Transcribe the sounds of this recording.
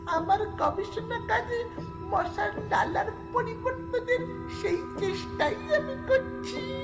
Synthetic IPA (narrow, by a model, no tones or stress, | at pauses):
amaɾkɔbisɔnakadi | mɔsaɾlalaɾpɔɾibɔnt̪ɔd̪eɾ | ʃeit͡ʃesʈaiamikəɾt͡ʃʰi